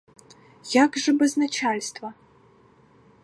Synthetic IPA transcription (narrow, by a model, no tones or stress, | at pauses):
jakʐɨbɨznat͡ʃʰalʲstʰvɐ